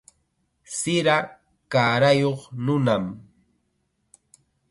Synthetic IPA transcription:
sɪɾa | kaːɾajoχnʊnam

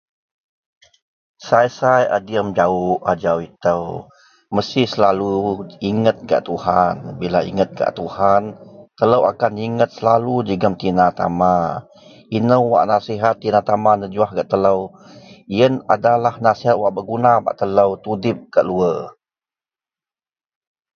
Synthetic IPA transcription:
sajsaja̰diəmd͡ʒaʊʔad͡ʒawit̪əw | məst̪ihsəlaluiŋət̪̚ɡa̰ʔt̪uhanbila̰ḭŋət̪̚ɡa̰ʔt̪uhant̪ələwa̰kaniŋət̪̚səlalud͡ʒəɡəmt̪inat̪a̰ma | inəwwa̰ʔnasiɦat̪ːinat̪amanəd͡ʒuahɡaʔt̪ələw | iəna̰dalahnasiɦat̪̚waʔbəʔɡunaba̰ʔt̪ələwt̪udɪp̚kaʔluə

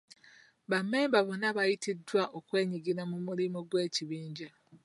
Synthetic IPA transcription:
βame̞ːmbaβonaβajitidwaʔokwe̞ːɲiɡiɾamumulimoɡwe̞ːciβiːɲɟa

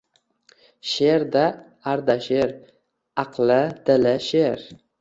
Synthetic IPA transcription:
ʃeɾd̪a | aɾd̪aʃeɾ | aqlɪd̪̥ɪlɪʃeɾ

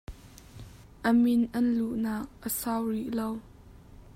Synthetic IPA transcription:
ʔəmɪnʔɐnluʔnaːk̚ʔəsawriʔlow

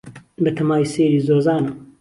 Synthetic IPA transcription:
bɐt̪ʰɐmaːwiseːɾiːzoːzaːnɐ

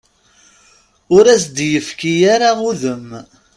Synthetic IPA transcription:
ʊɾæsd̪jəfkijaɾauðəm

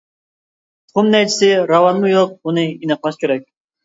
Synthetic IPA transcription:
t̪χʊmnɛt͡ʃʰɪ̥sɪɾɑvɑnmujoq̚bunɨinɨqmˠɑʃkʲʰeɾɛk̚ʲ

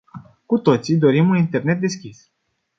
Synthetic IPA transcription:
kut̪o̞t̪sid̪o̞ɾimunint̪e̞rne̞t̪̚d̪e̞skʲis

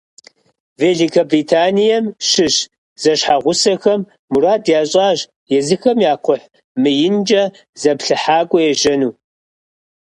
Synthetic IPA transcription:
veːɮikʰɐbritʰaːnijɐmʃɪɕ | z̥ɐɕħaʁʷʊsɐxɐmː | uraːdjaːɕʼaːʒ | jɛzɨxɐmjaːqʷʊħ | mɨjɪnd͡ʒɐ | z̥ɐpɬɨħaːɡʷʼɔjɛʒɐnuː

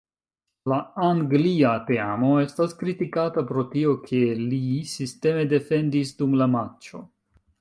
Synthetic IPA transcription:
laaŋɡliate̞amo̞e̞staskɾitikatapɾo̞tio̞kʰe̞lisiste̞me̞de̞fe̞ndis̬dumlamat͡ʃo̞

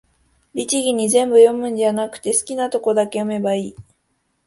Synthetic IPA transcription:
ɾʲit͡ɕiɡʲiɲ̟izẽ̞mbɯ̟jo̞mɯ̟̃ɲ̟danakɯ̟̥t̪e̞sɨ̥kʲinat̪o̞ko̞d̪ake̞jo̞me̞baiː

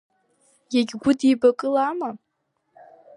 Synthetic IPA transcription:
jaɡʲɡʷʊdibakʼɨlaːma

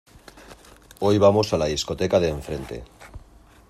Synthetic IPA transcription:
o̞jβ̞amo̞salaðisko̞t̪ekaðeːɱfɾe̞nt̪e̞̰

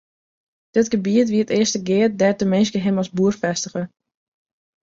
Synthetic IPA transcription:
d̥ɪtɡəbiətʋiətɪəstəɡɪər̚dɛtəmɪnskəɦɪmɔsbuərfɛstəxə

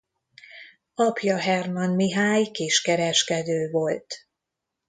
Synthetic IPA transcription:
ɒpʰjɒɦɛrmɒnmiɦaːjkeːʃkɛɾɛʃkɛd̪øːvo̞lt̪

